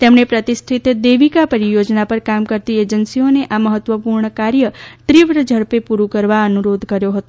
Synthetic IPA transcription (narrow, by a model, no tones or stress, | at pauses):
t̪emɳepɾət̪ist̪ʰit̪d̪eʋikapəɾijod͡ʒnapəɾkamkəɾt̪ied͡ʒənsioneʔaməɦət̪ʋəpuɾɳəkaɾjəʈɾiʋɾəd͡ʒʱəɭpepuɾukəɾʋaənuɾod̪ʱkəɾjoɦət̪o